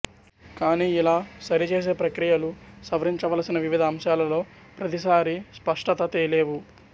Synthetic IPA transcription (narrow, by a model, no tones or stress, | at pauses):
kaːniːilaːsɐɾit͡ʃe̞ːs̬e̞ːpɾɐkɾijɐlusɐʋɐɾiɲt͡ʃɐʋɐlɐsinɐʋiʋid̪ʱɐːmʃjaːlɐlo̞ː | pɾɐt̪isaːɾispɐʂʈɐt̪ɐt̪ejɐleːʋu